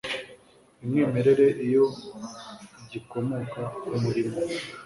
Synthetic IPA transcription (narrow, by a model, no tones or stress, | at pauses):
imŋeːme̞ɾe̞ɾe̞ʔijo̞ | ɟiko̞mokaumuɾimo